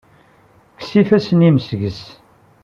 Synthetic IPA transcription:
ksifæsəniməsʝəs

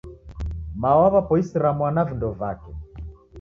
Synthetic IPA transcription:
maɔwaβapɔisiɾamwanavindɔvakɛ

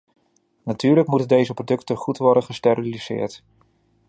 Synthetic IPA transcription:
natyːɹləkmutəndejzəprodɵktəχutʋɔɹdənχəstɛriliz̥ɪ̰ːɹt

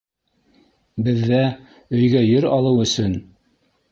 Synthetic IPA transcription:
bɘ̆ðːæ | ɵ̆jɡæjɵɾɑlˠɤwɵ̆sɵn

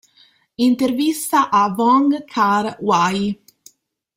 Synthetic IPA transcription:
int̪ervist̪aʔavɔŋɡkʰaɾwaj

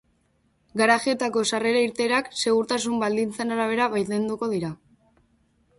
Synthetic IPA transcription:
ɡaɾaʝie̞t̪ako̞sare̞ɾaiɾt̪e̞ɾakse̞ɣuɾt̪as̬umbald̪int͡senaɾaβ̞e̞ɾaβajlend̪uko̞ðiɾa

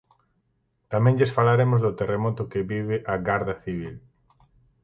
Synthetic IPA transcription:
t̪amɛ̃ŋʎesfalaɾemʊzðʊt̪eremɔt̪ʊkeβiβɪʔaɣaɾðɐθiβ̞il

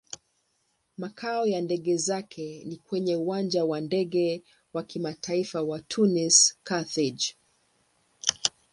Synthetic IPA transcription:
makʰaɔjandɛɠɛzakʰɛnikwɛɲɛuwand͡ʒawandɛɠɛ | wakimatʰaifawatʰuniskaθid͡ʒ

